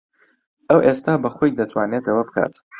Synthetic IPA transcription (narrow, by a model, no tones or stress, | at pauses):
ʔɐwʔest̪aːbɐχojd̪ɐt̪ʰwaːneːt̪ɐwɐbɨkʰa̰ːt̪